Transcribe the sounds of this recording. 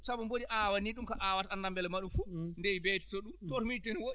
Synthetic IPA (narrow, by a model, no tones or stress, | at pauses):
sabumboɗiʔawaniɗumkaʔawataanːambɛlɛmaɗumfundɛjibɛtɛ̥tɔɗumtoɾmitɔnwoɗi